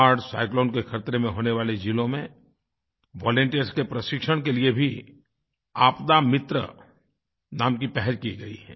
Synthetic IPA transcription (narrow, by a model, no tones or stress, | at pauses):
aːɾɖsa̰ːɪkloːnkexʰɐɾt̪ɾemẽɦoːneʋaːled͡ʒiːlõmẽ | ʋɔːlə̃ɳʈijəɾskepɾɐʃɪkʃəɽ̃keliebʱi | aːpd̪amɪt̪ɾə̰ | naːmkipɛɦɛd͡ʒkiɡɐḭɦɛ̰̃ː